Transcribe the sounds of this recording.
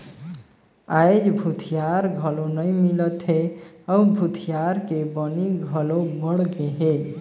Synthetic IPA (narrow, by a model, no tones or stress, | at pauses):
ajd͡ʒbʱut̪ʰijaɾɡʱəlonəjmilət̪ɦe | əubʱut̪ʰijaɾkebəniɡʱəlobəɽɡeɦe